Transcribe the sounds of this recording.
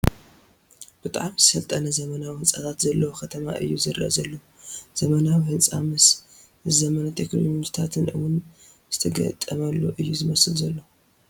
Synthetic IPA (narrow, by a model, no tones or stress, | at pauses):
b̥ɨt̪ʼaʕamzɨ̥fɐlt̪ʼɐnɐzɐmɐnawhɨnsʼat̪ʰat̪zɐlːɐwokʰɐt̪ʰɐma̰ʔɨ̰jːuzɨɾɨʔɐzɐlːow | z̥ɐmɐnawihɨnsʼamɨs | zɐmɐnat̪ʰe̞knomɲit̪ʰat̪ʰɨnɨwʊn | z̥ɨt̪ʰɐɡɐ̰t̪ʼːɐmɐlːoʔɨjːuzɨmɐsɨlzɐlːo